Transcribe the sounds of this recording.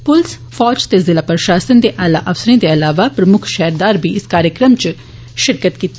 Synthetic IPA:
pʊls | pʰɔːd͡ʒt̪eːzɪlaːpɾəʃaːsənd̪eːʔaːla̰ːʔəfsəɾẽːd̪eːəlaːʋaːpɾəmʊkʰʃɛːɾd̪aːɾbʱiːɪskaːɾjəkɾəmt͡ʃ | ʃɪɾkət̪kiːt̪

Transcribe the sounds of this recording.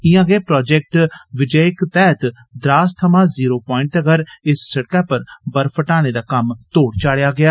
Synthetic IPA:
ɪjãːɡɛːpɾɔːd͡ʒɛk̚ʈʋɪd͡ʒəɪkt̪ɛːt̪ | d̪ɾaːst̪ʰəmãːziːɾoːpɔːɪɳʈəɡəɾɪsːəɽkaːpəɾbəɾpʰəʈaːɽ̃eːd̪aːkəmt̪oːɽt͡ʃaːɽejaːɡɪaː

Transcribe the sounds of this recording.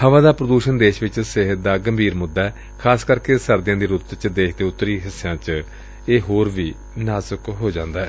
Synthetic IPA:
həʋãːd̪aːpɾəd̪uːʃənd̪eːʃʋɪt͡ʃsɪɦət̪̚d̪aːɡəmbiːɾmʊd̪ːaːɛː | kʰaːskəɾkeːsəɾd̪ɪjãːd̪iːɾʊt̪t͡ʃd̪eːʃʰd̪eːʊt̪ːəɾiːɦɪsːjãːt͡ʃ | eːɦoːɾʋiː | naːzəkɦoːd͡ʒãːnd̪aːɦɛː

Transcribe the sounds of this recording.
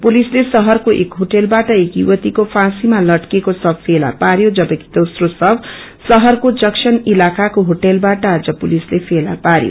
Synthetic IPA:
pulislesʌɦʌrkoʔḛkɦoʈelbaʈʌekjṵwʌt̪ikopʰãsimalʌʈkekosʌb̚pʰela̰paɾjod͡zʌbʌki̥d̪osrosʌb | sʌɦʌrkod͡zʌksʰʌnilakakoɦoʈelbaʈʌad͡zʌpulislepʰela̰paɾjo̰

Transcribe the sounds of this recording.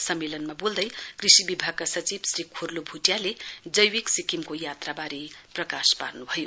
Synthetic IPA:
sʌmːelʌnmabold̪ʌjkrisibibʱaɡ̚kasʌt͡sibsrikʰurlobʱuʈjaled͡zʌjwiksikimkojat̪rabaɾiprʌkaspa̰rnubʱʌjo

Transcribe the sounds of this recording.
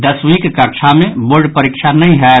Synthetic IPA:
d̪əswikkəɾt͡ʃʰamẽboɾɖpəɾikʃʰanɐɦĩɦɛ

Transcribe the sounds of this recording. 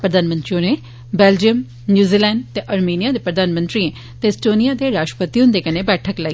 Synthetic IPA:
pɾəd̪aːnmə̃nt̪ɾionẽː | bɛːld͡ʒiəm | njuːziːlɛːɳɖt̪eːʔəɾmiːnijaːd̪eːpɾəd̪aːnmə̃nt̪ɾiẽː | t̪eɪsʈoːnijaːd̪eːɾaːʃʈəpət̪iːɦʊ̃nd̪eːkəneːbɛːʈʰəkla

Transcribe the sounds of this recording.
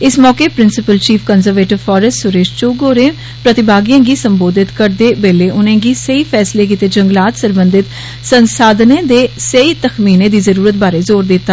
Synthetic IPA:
ɪsmɔːkeːpɾɪnsɪpəlt͡ʃiːpʰkɔːnzəɾʋeːʈɪʋfʰɔːɾəstsʊɾeːʃt͡ʃoːɡoːɾẽː | pɾət̪ɪbaːɡijãːɡiːsəmboːd̪ɪt̪kəɾd̪eːbeːleːʔʊnẽːɡiːsəiːpʰɛːsleːk̬iːt̪eːd͡ʒəŋɡlaːt̪səɾbə̃nd̪ɪt̪ | sənsaːd̪nẽːd̪eːsəiːt̪əxmiːnẽːd̪iːzəɾuːɾət̪̚baːɾeːzoːɾd̪ɪt̪ːa

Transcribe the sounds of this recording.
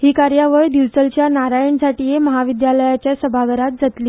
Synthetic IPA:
ɦiːkaɾjaʋəɭd̪ilt͡səlt͡ɕjanaɾajəɳd͡zaʈiːjeməɦaʋid̪jaləjat͡ɕjasəbʱaɡəɾat̪̚d͡zat̪liː

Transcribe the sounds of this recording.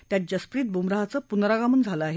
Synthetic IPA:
t̪jat̪̚d͡ʑəspɾiːt̪̚bʱumɾaɦat͡səpunɾaɡamund͡zʱaləaɦe

